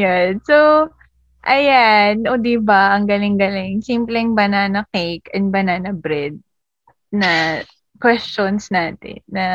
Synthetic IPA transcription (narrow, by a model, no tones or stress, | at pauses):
janso | ʔɐjanod̪ibɐʔɐŋɡɐlɪŋɡɐlɪŋsimplɛŋbɐnanɐkejkɐnbɐnanɐbɾɛd̪̚ | nɐ | kwɛst͡ʃonsnaːt̪ɪ̰nːɐ